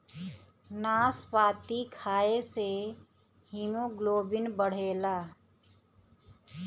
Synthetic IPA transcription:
naːspaːt̪ikʰaːese | ɦimũɡloːbɪnbəɽ̤eːlaː

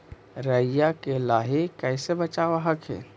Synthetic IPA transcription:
ɾəjakelaɦikɛɪsebət͡ʃaʋaɦəkʰḛ

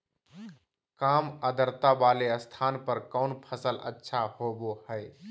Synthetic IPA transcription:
kaːməd̪əɾt̪abaːleəst̪ʰaːnpəɾkɔʊnpʰəsələ̰tːʃʰahobohəe

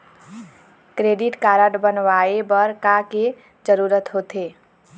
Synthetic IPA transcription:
kɾeɖiʈkaɾəʈbənʋaebəɾkake | d͡ʒəɾuɾət̪ɦot̪e

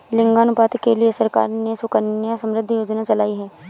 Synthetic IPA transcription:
lɪ̃ŋɡaːnʊpaːt̪keliesɐɾka̰ːɾnesʊkənjasə̃mɾɪd̪ʱːijoːd͡ʒnat͡ʃɐlaːiɦɛː

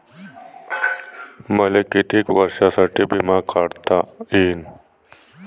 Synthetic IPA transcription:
mɐlekːit̪ikwɐɾɕasɐʈibimaːkʰaɽt̪aiːn

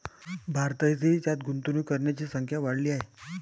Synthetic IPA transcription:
bʱaɾt̪əjt͡siːt̪jat̪ɡunt̪unuːkəɾɳjat͡ɕiːsəŋkʰjaʋaɽliːaɦe

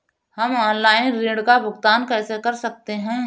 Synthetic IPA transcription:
hɐmɔːnlaːɪnɾeːɽkabʱʊɡt̪aːnkɛːsekɐɾsɐk̚t̪eɦɛ̃

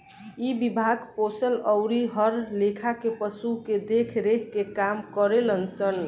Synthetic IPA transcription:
ibibʱaɡposələʊɾiɦəɾlekʰakepəsuked̪ekʰɾekkekamkəɾelənsən

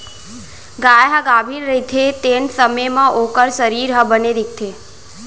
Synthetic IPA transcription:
ɡajɦaɡabʱinɾəit̪ʰet̪eɳsəmejmãʔokəɾsəɾiːɾɦəbəneɾik̚t̪ʰe

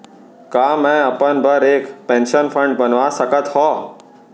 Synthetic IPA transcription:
kamɛ̃əpənbəɾekpɛ̃nʃənfʰə̃ɳɖbənʋasəkət̪ɦɔː

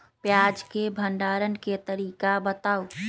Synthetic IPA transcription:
pjaːd͡ʒkebʱəɳɖaːɾənket̪əɾiːkabət̪aːu

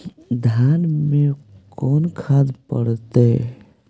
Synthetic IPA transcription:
d̪ʱanmekɔnkʰad̪pəɽt̪e

